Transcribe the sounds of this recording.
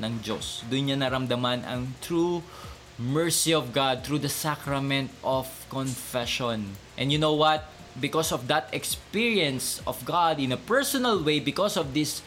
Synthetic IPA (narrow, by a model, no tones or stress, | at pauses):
nɐŋd͡ʒo̰sd̪ʊnɲanɐɾɐmd̪ɐmanʔɐ̰ŋt̪ɹu | mɛɹsiɔvɡad̪̚t̪ɹud̪ɐsakɾɐmɛ̃nt̪ɔvkɔnfɛʃɔ̃nʔɛ̰̃njʊnowwɐt̪̚ | bɪkɔsɔvd̪ɐt̪ɛkspiɹiɛ̃nsɔvɡad̪ɪ̃nɐpɛɹsɔnɐlwejbɪkɔsɔvd̪ɪs